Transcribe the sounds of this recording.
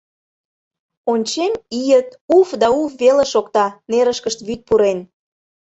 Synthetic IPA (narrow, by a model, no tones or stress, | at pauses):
onʲt͡ɕemijət̪ufd̪ɑufβeleʃokt̪ɑneɾəʃkəʃt̪βyt̪̚puɾen